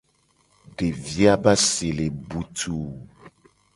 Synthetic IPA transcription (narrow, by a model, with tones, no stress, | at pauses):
ɖe˨vi˦a˦ba˦se˨le˨bu˦t̪ʰu˦